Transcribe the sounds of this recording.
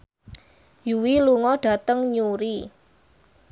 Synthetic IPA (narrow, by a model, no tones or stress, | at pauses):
juwiluŋɔɖ̥ä̤t̪əŋɲuɾi